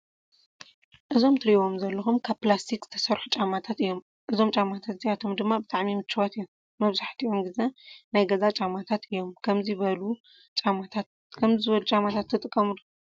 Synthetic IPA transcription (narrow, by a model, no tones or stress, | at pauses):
ʔɨzo̞mt̪ʰɨɾiβo̞mzɐlːɐxumkʰaβplast̪ʰikz̥ɨ̥t̪ʰɐ̥sɐɾħut͡ʃʼamat̪ʰat̪ɨjːo̞m | ʔɨzo̞mt͡ʃʼamat̪ʰat̪zijat̪ʰo̞md̪ɨmːabɨt̪ʼaʕmimɨt͡ʃːɨwat̪ɨjːomːɐβzaħt̪ʰiʔomɡɨzenajɡɐzat͡ʃʼamat̪ʰat̪ɨjːo̞mkʰɐmziβɐlu | t͡ʃʼamat̪ʰat̪̚ | kʰɐmzzɨβɐlut͡ʃʼamat̪ʰat̪ʰːɨt̪ʼɨkʼːɐmd̪u